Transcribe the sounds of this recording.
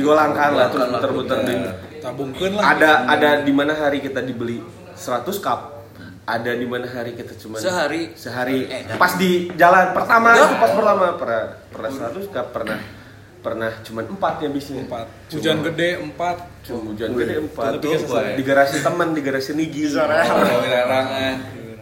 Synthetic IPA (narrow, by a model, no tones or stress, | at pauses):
diɡolaŋkaŋlat̪ubt̪ərbut̪ərbit̪abuŋkanlaadaːdadimanaɦaɾikit̪adibəli | səɾat̪uskap̚ | adadimanaɦaɾikit̪at͡ʃumansəɦaɾisəɦaɾipasdid͡ʒalanpərt̪amapaspərt̪amapərnapərnahsəɾat̪uskapːərnah | pərnaht͡ʃumanəmpat̪̚ɲabisnapat̪̚t͡ʃuumd͡ʒanɡədɛəmpat̪̚t͡ʃumud͡ʒanɡədɛəmpat̪ldiɡaɾasint̪əməndiɡaɾasiniɡiaɾaaɾa